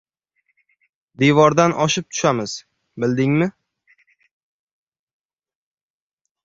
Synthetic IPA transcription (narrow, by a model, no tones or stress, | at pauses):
d̪evɒɾd̪anʔɒʃɪp̚t̪ʰʊ̥ʃamɪz̥ | bɪld̪ɪŋmɪ